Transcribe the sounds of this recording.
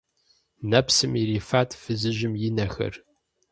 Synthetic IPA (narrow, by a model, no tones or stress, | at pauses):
nɐpsɨmiɾiːfaːtʰfɨzɨʒɪmjɪnɐxɐ̰r